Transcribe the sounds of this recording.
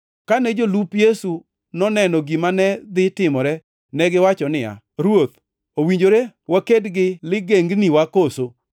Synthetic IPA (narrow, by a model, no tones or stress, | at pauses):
kanɛd͡ʒolupjesu | nɔnɛnɔɡimanɛd̪ɪtɪmɔɾɛ | nɛɡɪwat͡ʃɔnɪja̰ | ɾwot̪ | owiɲd͡ʒoɾewakedɡɪlɪɡeŋɡniwakoso